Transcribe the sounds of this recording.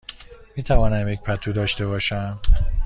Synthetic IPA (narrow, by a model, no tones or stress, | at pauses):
miːt̪ʰævɒːnæmjec̚ʲpʰæt̪ʰuːd̪ɒːʃt̪e̞βɒːʃæm